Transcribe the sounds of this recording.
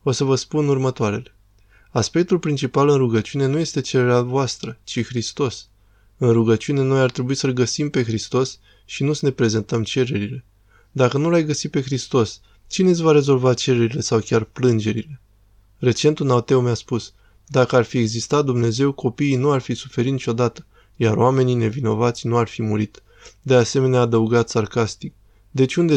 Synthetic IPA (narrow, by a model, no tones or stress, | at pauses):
o̞səvəspunurmət̪oaɾe̞le̞ | aspe̞k̚t̪ulpɾint͡ʃipalɨnruɡət͡ʃune̞nuje̞st̪e̞t͡ʃe̞ɾe̞ɾeavoast̪ɾət͡ʃixɾist̪o̞s | ɨnruɡət͡ʃiune̞no̞jart̪ɾe̞buisəlɡəsimpe̞xɾist̪o̞s | ʃinusəne̞pɾe̞ze̞nt̪əmt͡ʃe̞ɾe̞ɾile̞ | d̪akənulajɡəsipe̞xɾist̪o̞s | t͡ʃine̞s̬ʲvaɾe̞zo̞lvat͡ʃe̞ɾe̞ɾile̞sawkʲarplɨnd͡ʒe̞ɾile̞ | re̞t͡ʃe̞nt̪unawt̪e̞wmjaspus | d̪akəarfie̞ɡzist̪at̪̚d̪umne̞ze̞wko̞piːnuarfisu̥fe̞ɾit̪nit͡ʃʲo̞d̪at̪ə̥ | jaɾoame̞nine̞vino̞vat̪sʲnuarfimuɾit̪ | d̪e̞ase̞me̞neaːd̪əuɡat̪sarkast̪ik̚ | d̪e̞t͡ʃʲund̪e